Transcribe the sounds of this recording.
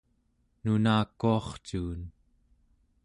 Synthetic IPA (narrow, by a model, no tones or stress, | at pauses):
nunaːkːuɑχt͡ʃuːn